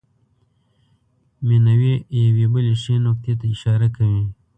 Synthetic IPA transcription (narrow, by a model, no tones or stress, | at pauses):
menawejawebəleʃenok̚t̪ʰet̪aɪʃɑɾakawi